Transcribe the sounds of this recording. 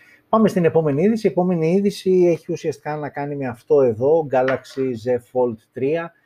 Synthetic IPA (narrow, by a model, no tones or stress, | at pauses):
pɐme̞st̪ine̞po̞me̞niiðisiepo̞me̞niiðisie̞çiusiɐst̪i̥kɐnɐkɐnime̞ɐft̪o̞e̞ðo̞ɡɐlɐksize̞fo̞lt̪ːɾiɐ